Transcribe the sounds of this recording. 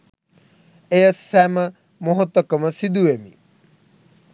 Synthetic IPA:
ejɐsːɛmɐ | moɦot̪ɐkɐmɐsid̪uemḭ

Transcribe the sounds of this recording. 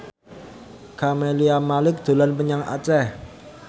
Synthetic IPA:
kʰameliamalɪk̚d̪̥o̤lanpəɲaŋa̰t͡ʃɛh

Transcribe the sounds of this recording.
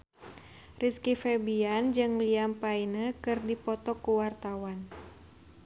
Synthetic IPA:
riskifɛbiand͡ʒɨŋliampainəkɨrdipɔt̪ɔkuwart̪awan

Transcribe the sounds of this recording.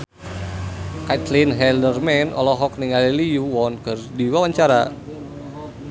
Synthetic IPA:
kat̪linɦɛldərmɛnɔ̰lɔɦɔk̚niŋaliliuwɔnɡə̤rdiwawaɲt͡ʃaɾa

